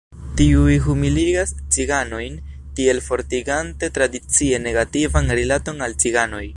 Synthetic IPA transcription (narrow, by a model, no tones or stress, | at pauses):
tiujɦumiliɡast͡siɡano̞jn | tie̞lfo̞ɾtiɡante̞tɾadit͡sie̞ne̞ɡativanɾilato̞nalt͡siɡano̞j